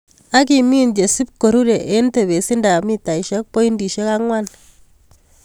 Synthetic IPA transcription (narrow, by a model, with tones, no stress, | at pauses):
a˦k̬i˨mi˦nd͡ʒe˨si˦p̚ko˨ɾu˦ɾe˨ʔe˦nte˨βe˨si˦nda˨mi˦ta˨i˨ʃɛ˦k̚po˦i˦ndi˨ʃe˦ka˦ŋwa˦n